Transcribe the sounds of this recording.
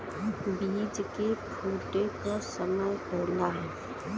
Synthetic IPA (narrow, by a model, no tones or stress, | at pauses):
bid͡ʒkekʰoːʈekɔsəməjpɛɦlaɦɛː